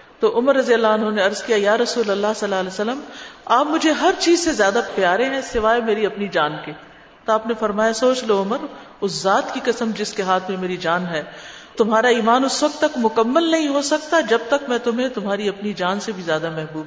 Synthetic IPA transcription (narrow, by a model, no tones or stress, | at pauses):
t̪oːʔʊməɾːɐzijəlːaɐnɦoneɐɾzkijajaːɾɐsuːlɐlːaɦsɐlːaːleːsəlːəmaːpmʊd͡ʒʱeɦɐɾt͡ʃiːzsezjaːd̪apjaːɾẽɦɛ̃sɪʋaːemeːɾiɐpnid͡ʒaːnkeː | t̪oaːpnefɐɾmaːjasoːt͡ʃloʊməɾ | ʊszaːt̪kikɐsəmd͡ʒɪskeɦaːt̪ʰmẽmeːɾid͡ʒaːnɦɛːt̪ʊmɦaːɾaiːmaːnʊsʋɐk̚t̪ːɐkt̪mʊkɐmːəlnɐɦĩɦosɐkt̪ad͡ʒɐb̚t̪ɐkmɛ̃ːt̪ʊmɦẽt̪ʊmɦaːɾiɐpnid͡ʒaːnsebʱizjaːd̪amɛɦbuːb